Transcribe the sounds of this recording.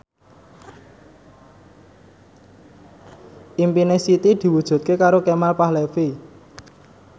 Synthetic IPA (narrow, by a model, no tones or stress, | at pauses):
ʔimpinesit̪id̪̥i̤wud̥ʒ̥ṳt̪̚kekaɾokemalpahlefi